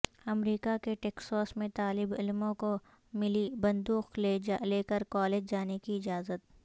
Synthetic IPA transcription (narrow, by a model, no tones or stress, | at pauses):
ɐmɾiːkakeʈeːksɔːsmẽt̪aːlɪbɪlmõko | mɪlibɐ̃nd̪uːqlleːkəɾkɔːleːd͡ʒd͡ʒaːnekiɪd͡ʒaːzət̪̚